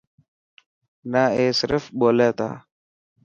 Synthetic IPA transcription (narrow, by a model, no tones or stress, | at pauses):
naeːsɪɾəfboleːt̪a̰ː